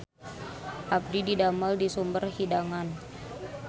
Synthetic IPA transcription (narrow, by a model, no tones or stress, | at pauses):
ʔab̚dididaməldisumbərhidaŋan